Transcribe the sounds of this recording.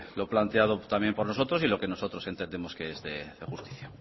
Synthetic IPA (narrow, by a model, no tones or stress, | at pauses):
lo̞plant̪eað̞ot̪amje̞mpo̞ɾno̞so̞t̪ɾo̞silo̞ke̞no̞so̞t̪ɾo̞se̞nt̪end̪e̞mo̞skeezðeðexust̪i̥θja